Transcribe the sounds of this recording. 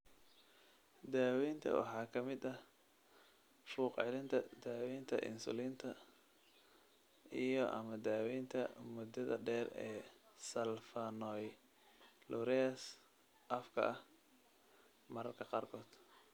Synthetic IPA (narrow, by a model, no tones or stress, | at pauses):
d̪aːwɛːnt̪ʰɐ̰wɑ̰ħɑːkʰɐmɪd̪ɐh | fuːqʕɪlɪnt̪ʰɐd̪aːwɛːnt̪ʰɐ̰ʔɪ̰nsʊ̰liːnt̪ʰɐ | ijɔʔɐ̰mɐd̪aːwɛːnt̪ʰɐmʊd̪ɐðɐ̰ɖɛːrɛ̰ːsɐlfɐnɔj | lʊɾɛɐs | ʔɐfkʰɐ̰ʔɐh | mɐɾɐrkʰɐqɑːrkʰɔːd̪̥